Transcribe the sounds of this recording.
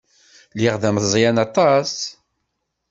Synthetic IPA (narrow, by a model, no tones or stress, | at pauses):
liʁðæməzˤjænɑt̪ˤɑs